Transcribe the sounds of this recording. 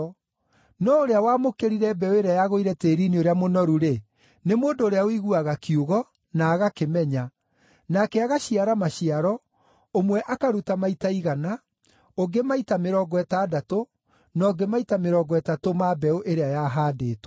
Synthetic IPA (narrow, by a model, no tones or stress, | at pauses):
nɔoɾeawaːmokeɾiɾɛbɛoeɾeajaɣoiɾɛteːɾinioɾeamonɔɾuɾe | nemoːndoːɾeawiɣuaɣakioɣɔ | naːɣakemɛɲa | nakɛaɣaɕiaɾamaɕiaɾɔ | omwɛʔakaɾutamaitaiɣana | oɡemaitameɾɔːɡɔɛtaːdato | nɔɡemaitameɾɔːɡɔɛtatomabɛoʔeɾeajaɦaːdeːtɔ̥